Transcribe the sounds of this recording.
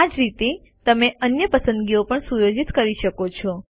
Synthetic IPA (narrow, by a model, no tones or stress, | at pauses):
ad͡ʒɾit̪e | t̪əmeʔənjəpəsə̃nd̪ɡiopəɳsujod͡ʒit̪kəɾiʃəkot͡ʃʰɔ